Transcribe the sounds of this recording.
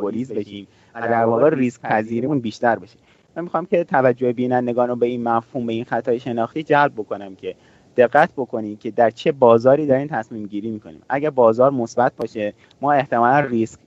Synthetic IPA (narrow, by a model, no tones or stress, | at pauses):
oliːzbeʃiːm | æd̪æɾbɒːɣeɾiskc̚pʰæziːɾimuːnbiːʃt̪æɾbeʃe̥ | mænmixɒːmcʰe̞t̪ʰævæd͡ʒːoebiːnænd̪e̞ɡɒːnobe̞inmæfhuːmbe̞inxæt̪ʰɒːjeʃe̞nɒːxt̪iːd͡ʒælb̚bo̞ko̞næmcʰe̞ | d̪̥e̞ɣːæt̪̚ʰbo̞kʰo̞niːmcʰed̪æɾt͡ʃʰe̞bɒːzɒːɾiːd̪ɒɾiːmt̪ʰæsmiːmɟiːɾiːmiːkʰonḭːmʔæɟæɾbɒːzɒːɾmosbæt̪̚ʰbɒːʃe̞ | mɒːe̞ht̪e̞mɒːlænrisk